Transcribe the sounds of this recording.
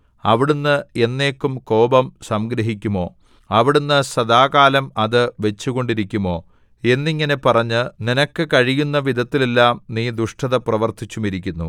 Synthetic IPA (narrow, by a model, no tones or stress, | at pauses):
ɐʋiɽunːɨe̞nːe̞ːkːumko̞ːbɐmsɐmɡɾɐɦikʲːumo̞ː | ɐʋiɽunːɨsɐd̪aːkaːlɐmɐðɨʋe̞t͡ɕːuɣo̞ɳɖiɾikʲːumo̞ː | e̞nːiŋːɐne̞pɐrɐɲːɨninɐkːɨkɐɻijunːɐʋid̪ʱɐt̪ːile̞lːaːmniːd̪uʂʈʰɐðɐprɐʋɐrt̪ʰit͡ɕːumiɾikʲːunːṵ